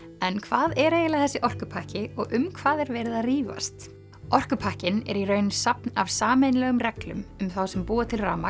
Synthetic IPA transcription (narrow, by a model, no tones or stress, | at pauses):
ɛnkʰvaːðɛɾeːjɪlaθɛsːɪʔɔr̥kʏpʰahcɪɔɣʔʏmkʰv̥aːðɛɾvɛːɾɪðaðriːva̰st̪ | ɔr̥kʏpʰahcɪnɛ̰ɾirœɥnʏsap̚nav̥saːmeːjnlɛːɣʏmrɛklʏ̰mʏmθawsɛmpuːðat̪ʰɪlraːma